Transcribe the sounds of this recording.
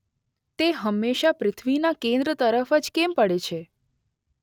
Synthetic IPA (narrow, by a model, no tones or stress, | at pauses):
t̪eɦəmːeʃapɾɪt̪ʰʋinakẽnd̪ɾət̪əɾəfəd͡ʒkempəɽet͡ʃʰe